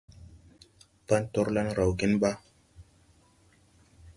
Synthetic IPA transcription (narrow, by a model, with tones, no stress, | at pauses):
pa˦nto˦ɾla˦nɾa˨wɡi˦nɓa˦